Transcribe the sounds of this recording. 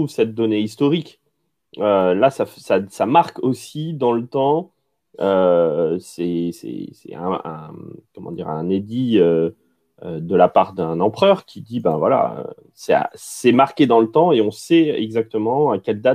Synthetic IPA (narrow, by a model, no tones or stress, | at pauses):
uvsɛt̪̚d̪ɔneist̪ɔʁik | ølasafsasamaʁkosid̪ɑ̃lət̪ɑ̃ | øsɛsɛ̰sɛ̰ɛ̰̃ɛ̰̃kɔmɑ̰̃d̪iʁɛ̃ned̪iø | ød̪əlapaʁd̪ɛ̃nɑ̃pχœʁkʲʰid̪ibɛ̰̃vwa̰la̰ø̰ | sɛa̰sɛmaʁkʲed̪ɑ̃lət̪ɑ̃eɔ̃sɛɛ̰ɡzak̚t̪əmɑ̃akʲɛld̪at̪